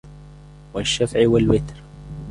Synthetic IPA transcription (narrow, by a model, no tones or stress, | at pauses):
wɪʃːafʕwɪlwɪt̪ɾ